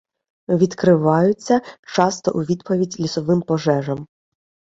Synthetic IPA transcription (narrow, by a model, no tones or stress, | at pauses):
ʋʲid̪kɾɪʋɑjʊt͡sʲːɐt͡ʃɑst̪ɔʔuʋʲid̪pɔʋʲidʲlʲisɔʋɪmpɔʒɛʒɐm